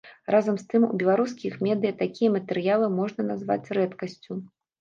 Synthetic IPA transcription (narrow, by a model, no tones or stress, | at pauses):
razɐmst̪ɨmṵbʲɛlˠaɾuskʲixmʲɛd̪ɨjɐt̪akʲijɐmɐt̪ɛɾɨjalˠɨmɔʐnɐnazva̰t͡sʲɾɛt̪kɐsʲt͡sʲu